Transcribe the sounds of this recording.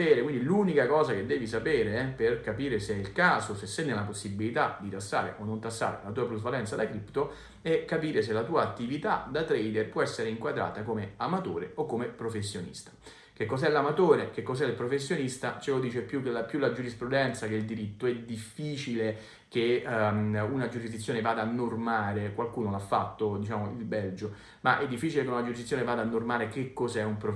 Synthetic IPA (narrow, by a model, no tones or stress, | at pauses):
eɛːɾekwind̪iluːnikakɔːzak̟ed̪ːɛːvis̬apeːɾeɛperkapiːɾeseilkaːzosesːɛnːelap̬osːibilit̪ad̪it̪asːa̰ːɾḛʔonːont̪asːa̰ːɾḛlat̪uːapɾuzvalɛnt̪sad̪akɾipt̪o | ɛkːapiːɾes̬elat̪uːaːt̪ːivit̪a̰d̪at̪ɾɛjd̪erpwɔɛsːeɾeiŋkwad̪ɾa̰ːt̪akomeamat̪oːɾeokːomepɾofesːjonḭst̪ḁ | k̟ekːɔzɛlamat̪oːɾek̟ekːɔz̬ɛilpɾofesːjonist̪at͡ʃelod̪iːt͡ʃepːjukːelapjulad͡ʒuɾispɾud̪ɛnt̪sakeild̪iɾit̪ːoɛd̪ifːiːt͡ʃile | ke | unad͡ʒuɾizd̪it̪sjoːnevaːd̪aːnːormaːɾekwalkuːnolafːat̪ːod̪it͡ʃaːmoilbɛld͡ʒo | maʔɛd̪ːifːiːt͡ʃilekeunad͡ʒuɾizd̪it̪ːjoːnevaːd̪aːnːormaːɾekekːozɛumpɾo